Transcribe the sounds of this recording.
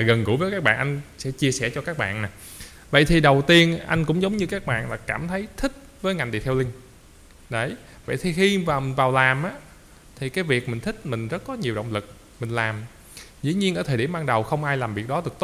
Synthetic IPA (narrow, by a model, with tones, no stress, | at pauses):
a˨˩ɣə˨˩nɣṵ˧˥vəː˨˦jkaː˦˥k̚ɓaː˧˨nʔa˧jŋ̟sɛ̰˧˥t͡ɕi˧əsɛ˧˩t͡ɕɔ˧kaː˦˥k̚ɓa̰ː˧˨nnaː˨˩ | və̰˧˨jt̪ʰi˨˩ɗə˨˩wt̪i˧ənʔa˧jŋ̟kʊ̰˧˥ŋ͡mzə˨˦wŋ͡mɲɨ˧kaː˦˥k̚ɓa̰ː˧˨nlaː˨˩kaː˧˩mt̪ʰə˨˦jt̪ʰï˦˥k̟̚vəː˨˦jŋa˨˩ŋ̟t̪ḭ˨˩t̪ʰwlï˧ŋ̟ | ɗə˨˦˩j | və̰˧˨jt̪ʰi˨˩xi˧maː˨˩˨nvaː˨˩wlaː˨˩mʔaː˨˦ | t̪ʰi˨˩kaː˨˦jvi˨˩ək̚mï˨˩ŋ̟t̪ʰï˦˥k̟̚mï˨˩ŋ̟zə˦˥t̚kɔ˨˦ɲi˨˩əwɗə̰˧˨wŋ͡mlɨ˨˩k̚ | mï˨˩ŋ̟laː˨˩m | zɨ̰˧˥ɲi˧nʔəː˧˩t̪ʰəː˨˩ɗi˧˩əmɓaː˧ŋɗə˨˩wxə˧wŋ͡mʔaː˧jlaː˨˩mvi˨˩ək̚ɗɔ˨˦ɗɨ˨˩k̚t̪o˦˥